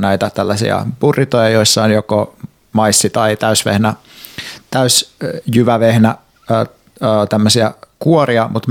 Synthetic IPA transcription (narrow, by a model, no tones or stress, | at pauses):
næit̪æt̪ælːæsḭɑ̰purit̪ojɑjoisːɑonjoko | mɑisːit̪ɑit̪æysʋḛhnæ | t̪æysjyʋæʋehnæ | t̪æmːøsiækuoriɑmut̪